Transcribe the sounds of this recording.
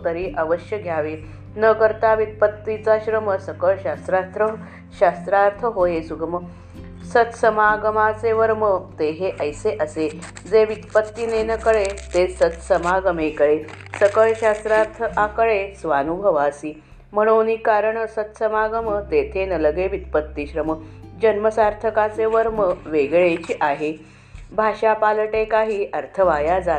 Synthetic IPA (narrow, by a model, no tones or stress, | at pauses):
t̪əɾiːʔəʋəɕjəɡʱjaʋe | nəkəɾt̪aʋit̪̚pət̪ːit͡saɕɾəməsəkəɭɕast̪ɾast̪ɾə | ɕast̪ɾaɾt̪ʰəɦojesuɡəmə | sət̪səmaɡəmat͡seʋəɾmət̪eɦeʔəjseʔəse | d͡zeʋit̪pət̪ːinenəkəɭet̪esət̪səmaɡəmekəɭesəkəɭɕast̪ɾat̪ʰakəɭesʋanubʱəʋasiː | m̤əɽ̃onikaɾəɳsət̪səmaɡəmət̪et̪ʰenələɡeʋit̪̚pət̪ːiɕɾəməd͡ʑənməsaɾt̪ʰəkat͡seʋəɾməʋeɡɭet͡ɕiʔaɦe | bʱaɕapaləʈekaɦiːəɾt̪ʰəʋajad͡za